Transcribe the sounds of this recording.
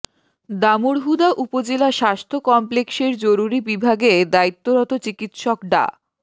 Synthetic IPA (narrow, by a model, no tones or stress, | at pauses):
d̪amuɾɦud̪aʔupod͡ʑelaʃast̪ʰokɔmplekseɾd͡ʑoɾuɾibibʱaɡed̪ait̪ːoɾɔt̪ot͡ɕikit̪ʃɔkɖa̰